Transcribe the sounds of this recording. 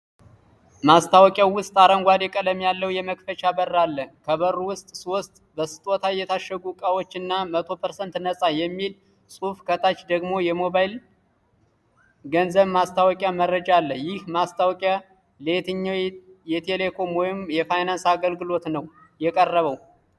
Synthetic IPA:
mast̪ʰawkʼjawʊst̪ʼaɾəŋɡʷad̪ɛkʼələmjalːəwjɛməkfət͡ʃabərːalːəkʰəβərːuwʊst̪ʼswost̪ʼbəsɨ̥t̪ʼot̪ʰajɛt̪ʰaʃːəɡukʼawot͡ʃːɨnːamət̪ʰo̞pʰəɾsənt̪nəsʼajɛmːil | sʼufkʰət̪ʰat͡ʃd̪əɡmo̞jɛmoβajl | ɡənzəβmast̪ʰawɔkʼjamərəd͡ʒalːəjɪhmast̪ʰawkʼja | let̪ʰɨɲːawjɛt̪ʰele̞kʰo̞mwɔjɪmjɛfajnansaɡəlɡɨlo̞t̪nəw | jɛkʼərːəβəw

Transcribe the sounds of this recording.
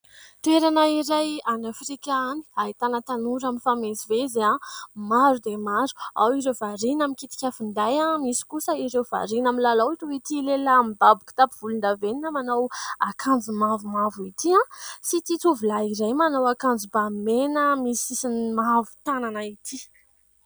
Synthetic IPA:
t̪ueɾanəiɾajanafɾikʲani̥aɦit̪anət̪anuɾaminfamezivezamaɾud̪emaɾu̥a̰wiɾewvaɾinamikit̪i̥kʲafind̪ajãmisi̥kusəiɾewv̥a̰ɾinamilalawiʈ͡ʂuit̪ilelamibabuki̥t̪apiv̥ulund̪aveninəmanawakʰand͡zimavumavuit̪iãsit̪it͡suvulaiɾajmanawakand͡zibamenəmisisinimavu̥t̪ananait̪ʰi

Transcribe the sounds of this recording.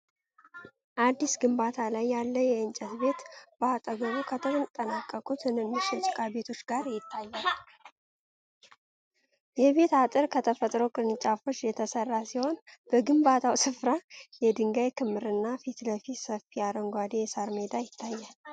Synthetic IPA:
ʔad̪ːisɡɨmbat̪ʰalajːalːəjɛɨnt͡ʃʼət̪be̞t̪b̥aat̪ʼəɡəɾukʰət̪ʰəɾɨt̪ʼənakʼːəkʼut̪ʰɨnɨnːɨʃo̞t͡ʃʼkʼabe̞t̪ʰo̞t͡ʃːɡaɾjɪt̪ːajːal | jɛβe̞t̪at̪ʼɨɾkʰət̪ʰəfət̪ʼɾo̞kʼɨnɨt͡ʃʼafo̞t͡ʃːjɛt̪ʰəsərːasiho̞nb̥əɡɨmbat̪ʰawsɨfɾajɛd̪ɨŋɡajkʰɨmːɨɾɨnːafit̪ləfisəfiaɾəŋɡʷad̪ejɛsaɾme̞d̪ajɪt̪ʰːajːal

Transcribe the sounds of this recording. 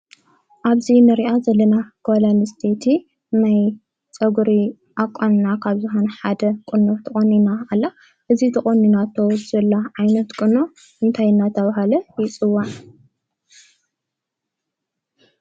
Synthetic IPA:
ʔaβzinɨɾiʔazɐlːɐnaɡ̥olanɨst̪ʰet̪ʰi | naj | t͡sʼɐɡuɾi | ʔakʷʼːannakʰaβzɨɦonħad̪ɐkʼɨnot̪ʰɐχʼonːinaːlːa | ʔɨzit̪ʰɐχʼonːinat̪ʰɐwzɐlːaʕajnɐt̪kʼɨno | ʔɨnt̪ʰajɨnːat̪ʰɐβaɦalɐjɪt͡sʼɨwːan

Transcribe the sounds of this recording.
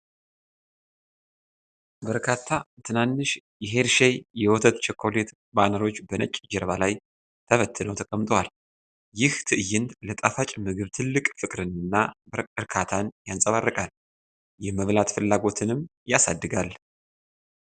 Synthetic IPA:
bəɾkʰat̪ʰːat̪ʰɨnanːɨʃ | jɛɦe̞ɾʃejjɛwɔt̪ʰət̪t͡ʃɛkʰːo̞le̞t̪ | banəɾo̞t͡ʃːbənət͡ʃʼːd͡ʒɛɾβalaj | t̪ʰəβət̪ʰːɨnəwt̪ʰəkʼəmt̪ʼəwal | jɪht̪ʰɨʔɨjɪnd̪lət̪ʼafat͡ʃʼmɨɡɨβt̪ʰɨlːɨkʼfɨkʼɾɨnɨnːabəɾɨɾkʰat̪ʰanjansʼəβarːəkʼal | jɛməβlat̪fɨlːaɡo̞t̪ʰɨnɨmjasa̰d̪ːɨɡal

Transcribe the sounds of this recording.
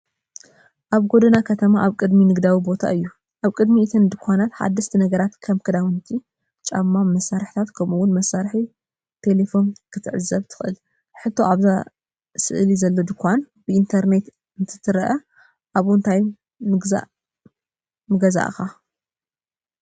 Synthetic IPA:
ʔaβɡo̞d̪ɐnakʰɐt̪ʰɐmaʔaβkʼɨd̪minɨɡd̪awibo̞t̪ʰa̰ʔɨjːu | ʔaβkʼɨd̪miɨt̪ʰɐnd̪ɨkʰʷanat̪ħa̰d̪ːɐʃt̪ʰinɐɡɐɾat̪kʰɐmkʰɨd̪awɨnt̪ʰi | t͡ʃʼamːamːɐsːaɾħi̥t̪ʰat̪kʰɐmuwːʊnmɐsːaɾħi | t̪ʰe̞le̞fo̞nkʰɨt̪ʰɨʕɨzːɐβt̪ʰɨ̥xʔɨl | ħɨt̪ʰːo̞̰ʔaβza | sɨ̰ʔlizɐlːo̞d̪ɨkʰːʷan | b̥ɨint̪ʰɐɾne̞t̪ | ɨnt̪ʰɨ̥t̪ʰɨɾɐʔɐ | ʔaβʊnt̪ʰaj | nɨɡza̰ʔ | mɨɡɐza̰ʔɨ̰xa

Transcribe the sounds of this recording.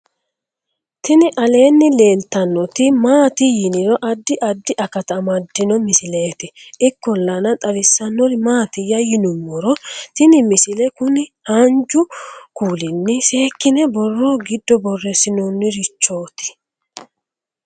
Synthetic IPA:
t̪ɪnɪʔɐle̞ːnːɪle̞ːlt̪ɐnːɔt̪ɪmaːt̪ɪjɪnɪɾɔʔɐd̪ːɪʔɐd̪ːɪʔɐkɐt̪ɐmɐd̪ːɪnɔmɪsɪle̞ːt̪ɪɪkːɔlːɐnɐt̪ʼɐɾɪsːɐnːɔɾɪmaːt̪ɪjɐjɪnʊmːɔɾɔt̪ɪnɪmɪsɪlɛkʊnɪhand͡ʒʊkuːlɪnːɪse̞ːkːɪnɛbɔrːoːɡɪd̪ːɔbɔrːɛsɪnonːɪɾɪt͡ʃːo̞ːt̪ɪ̥

